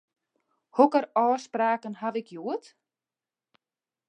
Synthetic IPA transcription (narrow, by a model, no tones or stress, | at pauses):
hɔkəɾɔːspɾaːkənhavɪkjuət̪